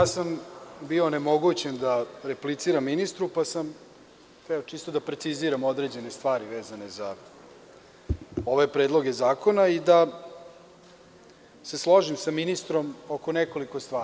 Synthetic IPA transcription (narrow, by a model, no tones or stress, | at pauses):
jaːsambione̞mo̞ɡut͡ɕe̞nd̪aɾeplit̪siːɾamːinist̪ɾupasam | ɛot͡ʃiːst̪od̪apɾe̞t̪siziːɾamo̞d̪ɾe̞d͡ʑe̞ne̞st̪ʋaːɾiʋe̞ːzane̞za | o̞ʋe̞pɾed̪lˠoɡe̞zaːko̞naid̪a | seslˠo̞ʐimsaminist̪ɾo̞mo̞koneko̞liko̞st̪ʋaː